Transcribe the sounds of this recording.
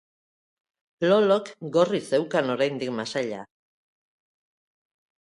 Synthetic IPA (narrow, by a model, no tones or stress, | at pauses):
lo̞lo̞kɡo̞rit͡se̞wkano̞ɾajnd̪ikmasaʎa